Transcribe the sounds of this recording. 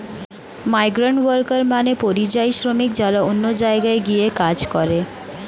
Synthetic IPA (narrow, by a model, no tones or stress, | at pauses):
majɡɾaɳʈwəɾkəɾmanepoɾid͡ʒajsɾomikd͡ʒaɾaonːod͡ʒaeɡaeɡiekad͡ʒkɔɾe